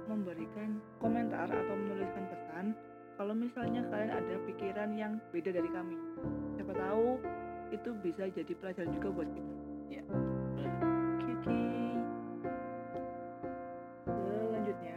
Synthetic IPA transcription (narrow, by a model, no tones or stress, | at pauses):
məmbəɾikankoment̪a̰ra̰t̪awmənulɪskanpəsan | kalawmisalɲakaliaŋa̰dapikiɾanjaŋbedadaɾikamisiapat̪auit̪ubisad͡ʒadipəlad͡ʒaɾand͡ʒuɡabuat̪̚it̪uja | kʰeki | əlaɲd͡ʒʊt̪̚ɲa